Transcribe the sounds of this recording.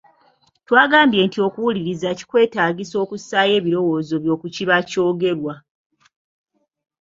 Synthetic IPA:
twaːɡaːmbje̞ːntio̞kuwuliɾizaci̥kwe̞ːtaːɡiso̞ːkusaje̞ːβiɾo̞wo̞ːzo̞βjo̞ːkuciβaco̞ːɡe̞ɾwa

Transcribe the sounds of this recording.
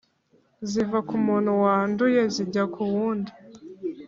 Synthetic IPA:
zivakumuːn̥huwaːnduje̞ziɟakʰuwuːnda

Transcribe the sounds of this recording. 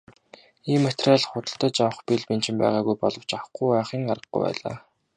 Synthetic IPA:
iːmːet̪raɮχʊt̪ə̆ɬt̪ə̆t͡ɕawə̆χpiɮpen̥t͡ɕɪ̆mpæ̰ːʁaːɣujpɔɮɞ̆w̥t͡ɕaw̆χɡujæːχiːŋarə̆ɡ̚ɡṵjpæ̰ːɮa̰ː

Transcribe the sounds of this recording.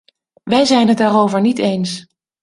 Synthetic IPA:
ʋɛjzɛjnɦət̚daːrowvəɹnitejns

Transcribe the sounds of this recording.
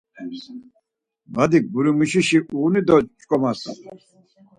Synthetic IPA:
bad̪ik̚buɾimuʃiʃiʔuːnid̪ɔt͡ʃʼkʼɔmasa̰

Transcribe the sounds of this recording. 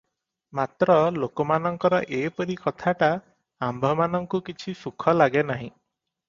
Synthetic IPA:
mat̪ɾɔlokɔmanɔŋkɔɾɔʔepɔɾikɔt̪ʰaʈa | ambʱɔmanɔŋkukit͡ʃʰisukʰɔlaɡenaɦḭ̃

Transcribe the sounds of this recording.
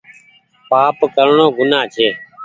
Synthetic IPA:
paːpkəɾɳoːɡʊnaːt͡ʃʰeː

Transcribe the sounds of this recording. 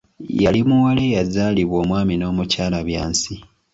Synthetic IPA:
jalimuwalejazaːliβo̞ːmwaːmino̞ːmucaːlaβjaːnsi

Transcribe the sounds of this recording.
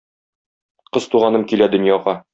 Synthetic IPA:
qɤzt̪uʁɑnɤmkilæd̪ɵ̆njɑʁɑ

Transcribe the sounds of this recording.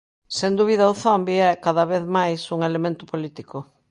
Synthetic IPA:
send̪uβiðawθɔmbiɛkaðɐβeðmajsuŋelemẽnt̪ʊpolit̪ikʊ

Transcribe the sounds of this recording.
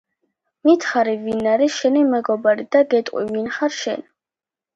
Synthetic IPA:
mit̪χaɾivinaɾiʃɛnimɛɡɔbaɾid̪aɡɛt̪ʼqʼwḭvinχaɾʃɛ̰n

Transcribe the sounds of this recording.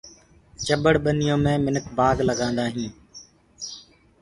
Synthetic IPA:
t͡ʃəɓəɽɓənɪjõːmẽːmɪnəkʰbaːɡləɡãːnd̪aːɦĩː

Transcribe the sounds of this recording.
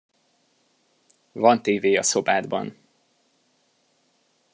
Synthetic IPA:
vɒnt̪eːveːɒso̞baːd̪bɒ̰n

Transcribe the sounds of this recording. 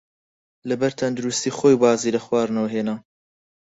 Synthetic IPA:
lɐbɛɾt̪ʰɐnd̪ʊɾust̪iːxoːjbɑːziːlɐxwɑːɾnɐwɦeːnaː

